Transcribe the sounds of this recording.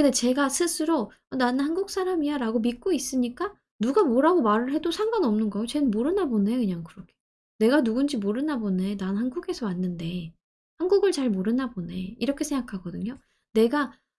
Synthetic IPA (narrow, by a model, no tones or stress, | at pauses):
kɯndet͡ɕe̞ɡasʰɯsʰɯɾo | ʌnannhanɡuk̚s͈aɾamijaɾaɡomik͈ois͈ɯɲik͈a | nuɡamoɾaɡomaɾɯɭɦhe̞dosʰaŋɡanʌmnɯnɡʌejot͡ɕe̞nɯnmoɾɯnabonejokɯɲaŋkɯɾʌkʰe | ne̞ɡanuɡund͡ʑimoɾɯnabone̞nanhanɡuɡe̞sʰʌwanːɯnde̞ | hanɡuɡɯɭt͡ɕaɭmoɾɯnabone̞iɾʌkʰe̞sʰe̞ŋɡakʰaɡʌdɯɲo | ne̞ɡa